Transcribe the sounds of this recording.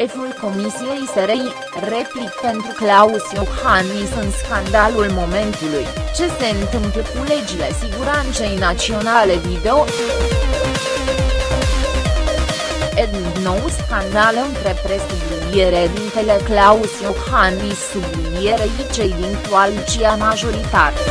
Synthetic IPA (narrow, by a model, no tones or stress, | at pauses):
efulko̞misiejiseɾej | replik̚pe̞nt̪ɾuklausiophanisɨnskand̪alulmo̞me̞nt̪ulujt͡ʃe̞se̞ɨnt̪ɨmpləkule̞d͡ʒile̞siɡuɾant̪se̞jnat͡ʃio̞nale̞vid̪eo | ed̪n | nowskand̪alɨnt̪ɾepɾe̞sublinijeɾed̪int̪eleklausijobhanisːubllinije̞ɾejit͡ʃejd̪int̪ualit͡ʃiamaʒo̞ɾit̪at̪e